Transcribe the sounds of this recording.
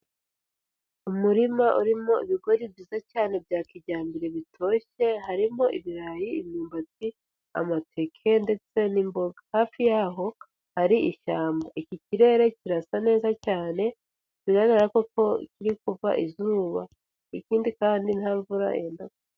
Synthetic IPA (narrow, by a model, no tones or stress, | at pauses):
umuɾimaʔuɾimo̞iβiɡo̞ɾibɟizacaːne̞bjaːkiɟaːmbiɾe̞βitʰo̞ːʃe̞ɦaɾimo̞ʔiβiɾajiimɲuːmbat͡si | a̰matʰekʰe̞nde̞t͡se̞nimbo̞ɡahaːfijaːɦo̞ | haɾiʔiʃaːmbaʔiciciɾe̞ːɾe̞ciɾasane̞ːzacaːne̞ | βiɡaɡaɾakoko̞̰ciɾikuva̰ʔizuːβa | ikiːndikaːndin̥havuɾa̰eːndako